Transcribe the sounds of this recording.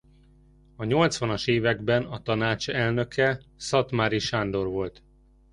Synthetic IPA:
ɒɲo̞lt̪sʋɒnɒʃeːvɛɡbɛnɒt̪ɒnaːt͡ʃɛlnø̞kʰɛsɒt̪maɾiʃand̪o̞rvo̞lt̪

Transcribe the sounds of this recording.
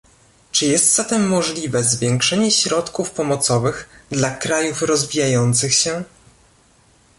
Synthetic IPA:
t͡ʂɘjɛst̪zat̪ɛmːɔʐlʲivɛzvʲjɛŋkʂɛɲɛɕɾɔt̪kufpɔmɔt̪sɔvɘɣd̪lakɾajufɾɔzvʲijajɔnt̪sɘxɕɛ

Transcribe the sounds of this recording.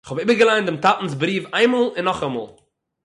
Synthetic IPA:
ɪχhɔbiːbəɡəlˠaɪndɪmtatn̩s̬bɾiːfaɪnmolˠɪnːɔχamo̰ːlˠ

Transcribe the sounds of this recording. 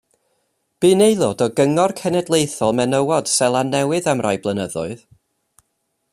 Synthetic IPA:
b̥iːnejlˠɔdɔɡəŋɔrkʰɛnɛdlˠejθɔlˠmɛnəwɔd̥sɛlˠanɛwɨðamrajblˠənəðʊ̰ɨð

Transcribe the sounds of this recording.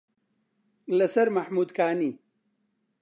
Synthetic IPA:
lɐsɐɾmɐħmuːd̪kʰaːniː

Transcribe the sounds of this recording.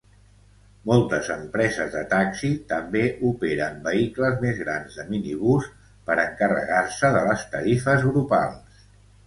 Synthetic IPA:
mɔlˠt̪əzəmpɾɛzəzðət̪aksit̪əmbeʔupeɾəmbəikləzmezɣɾanzðəminiβ̞us | pəɾəŋkərə̰ɣarsəðələst̪əɾifəzɣɾupa̰lˠs

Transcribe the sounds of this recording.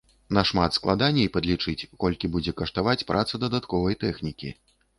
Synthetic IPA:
nɐʂmat̪sklˠad̪anʲːɛjpɐd̪lʲit͡ʂɨt͡sʲkɔlʲkʲibud͡zʲɛkɐʂt̪avat͡sʲpɾʔat̪sɐd̪ɐd̪at̪kɔvɐjt̪ɛxnʲikʲḭ

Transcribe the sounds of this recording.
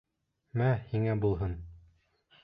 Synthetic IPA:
mæhiŋæbulˠɦɤn

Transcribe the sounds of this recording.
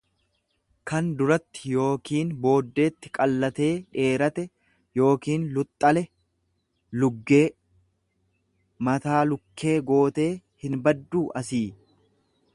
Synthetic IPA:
kɐnd̪ʊɾɐt̪ːɪ̥jo̞ːkiːnbo̞ːd̪ːe̞ːt̪ːɪ̥kʼɐlːɐt̪e̞ːeːɾɐt̪ɛ | jo̞ːkiːnlʊt̪ʼːɐlɛ | lʊɡːe̞ː | mɐt̪aːlʊkʰːe̞ːɡo̞ːt̪e̞ː | hɪnbɐd̪ːuːʔɐsiː

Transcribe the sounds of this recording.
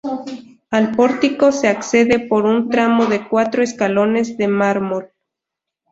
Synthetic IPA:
alpo̞ɾt̪iko̞se̞akse̞ðe̞po̞ɾunt̪ɾamo̞ðe̞kwat̪ɾoeskalo̞ne̞zðemaɾmol

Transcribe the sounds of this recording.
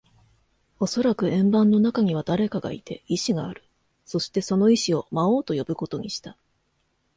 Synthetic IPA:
o̞so̞ɾakɯ̟ẽ̞mbãnːo̞nakaɲ̟iβ̞ad̪aɾe̞kaɡa̰ḭt̪e̞iɕiɡaːɾɯ̟ | so̞ɕi̥t̪e̞so̞no̞iɕio̞mao̞ːt̪o̞jo̞bɯ̟ko̞t̪o̞ɲ̟iɕi̥t̪a

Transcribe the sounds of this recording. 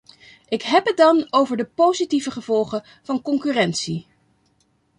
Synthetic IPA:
ʔɪkɦɛpɦət̚dɑnowvəɹdəpowzitivəχəv̥ɔlˠχə | v̥ɑnkɔŋkyːrɛntsi

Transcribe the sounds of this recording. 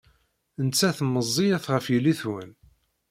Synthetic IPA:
ənt͡sːæθmːəzˤːijæθʁəfjəlːiθwən

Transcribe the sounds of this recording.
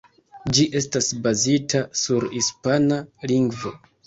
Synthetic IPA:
d͡ʒiʔe̞stasbazitʰasuɾhispanaliŋɡvo̞

